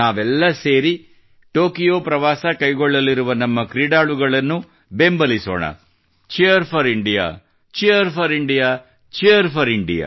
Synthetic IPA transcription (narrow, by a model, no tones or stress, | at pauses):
naːʋɛlːɐse̞ːɾi | ʈo̞ːkijoːpɾɐʋaːsɐkɐjɡɔɭːɐlːiɾuʋɐnɐmːɐkɾiɖaːɭuɡɐɭɐnːu | bembɐliso̰ːɳɐ̰ | t͡ʃijɐɾpʰɐɾiɳɖija̰ː | t͡ʃijɐɾpʰɐɾiɳɖijaː | t͡ʃijɐɾpʰɐɾiɳɖḭja̰ː